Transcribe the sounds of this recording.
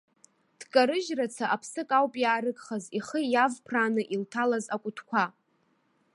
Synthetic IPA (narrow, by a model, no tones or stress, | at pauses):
d̥kʼaɾɨʒrat͡sʰaʔapʰsɨkʼawpʼjaːɾɨkʼχaziχəjavpʰraːnɨʔiltʰalazakʷʼʊtʰkʷʰa